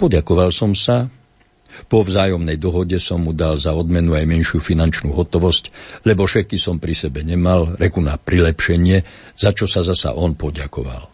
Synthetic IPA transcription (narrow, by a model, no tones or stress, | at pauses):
pɔɟakɔʋalsɔmsa | pɔvzaːjɔmnɛjd̪ɔɦɔɟɛsɔmːud̪alzaɔd̪mɛnuajmɛnʃɪufinant͡ʃnuːɦɔt̪ɔʋɔsclɛbɔfʃɛt̪̚kisɔmpɾisɛbɛɲɛmalɾɛkunapɾilɛpʃɛɲɪɛ | z̥at͡ʃɔsazasa̰ʔɔnpɔɟakɔʋa̰l